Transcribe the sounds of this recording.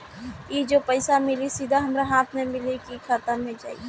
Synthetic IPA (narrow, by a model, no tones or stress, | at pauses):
jid͡ʒopəɪsamɪlisid̪ʱaɦɐmɾaɦaːt̪ʰmẽmɪlekikʰat̪amẽd͡ʒa̰ːi